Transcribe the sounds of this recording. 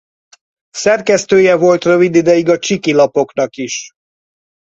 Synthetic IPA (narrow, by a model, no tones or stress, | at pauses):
sɛrkɛst̪øːjɛvo̞lt̪røvid̪id̪ɛjiɡɒt͡ʃikilɒpo̞kn̪ɒkiʃ